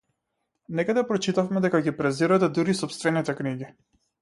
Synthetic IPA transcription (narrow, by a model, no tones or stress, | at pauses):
nɛkad̪ɛpɾɔt͡ʃit̪afmɛd̪ɛkaɡipɾɛziɾat̪ɛd̪uɾisɔpst̪vɛnit̪ɛkniɡi